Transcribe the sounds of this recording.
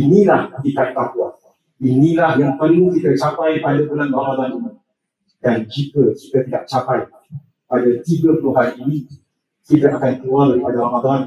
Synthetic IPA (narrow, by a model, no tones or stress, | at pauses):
inĩlahd̪ik̪ait̪akua̰n | inĩlahjaŋpənukit̪ət͡ʃapajpadabəlanramad̪anima | dand͡ʒikəki̥t̪at̪idaʔ̚t͡ʃapaj | padat̪iɡapəluɦaɾiːnĩ | kit̪aʔakankluaŋdaɾipadaɾamad̪an